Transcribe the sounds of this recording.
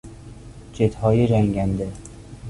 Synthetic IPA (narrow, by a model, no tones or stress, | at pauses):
d͡ʒet̪hɒːjed͡ʒæŋɡænd̪e